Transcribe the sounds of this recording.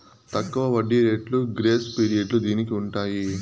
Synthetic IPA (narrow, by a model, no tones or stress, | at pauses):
t̪ɐkːuʋɐʋɐɖːiɾeːʈluɡɾeːspiːɾiɐɖlud̪iːnikiuɳʈaːji